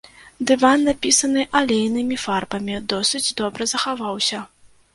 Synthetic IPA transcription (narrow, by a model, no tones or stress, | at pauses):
d̪ɨvanːapʲisɐnɨʔalʲejnɨmʲifarbɐmʲid̪ɔsɨd͡zʲd̪ɔbɾɐzɐxavawsʲɐ